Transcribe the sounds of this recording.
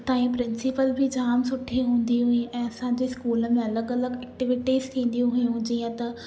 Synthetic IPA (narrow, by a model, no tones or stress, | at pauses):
t̪ãːĩːpɾɪnsɪpəlbʱid͡ʒaːmsʊʈʰːiɦʊ̃ːnd̪iɦʊĩːɛ̃ːɐsãːd͡ʒeːskuːlmẽːɐləɡələɡɛːk̚ʈɪʋɪʈiːzt̪ʰĩːn̆d̪ijũɦʊjũːd͡ʒiːãt̪ɐ